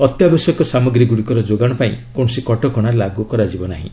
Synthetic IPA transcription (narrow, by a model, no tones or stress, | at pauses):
ɔt̪jabesjɔkɔsamɔɡɾiɡuɽikɔɾɔd͡ʒoɡaɽ̃ɔpaĩkoɳ̃ɔsikɔʈɔkɔɽ̃alaɡukɔɾad͡ʒibɔnaɦḭ̃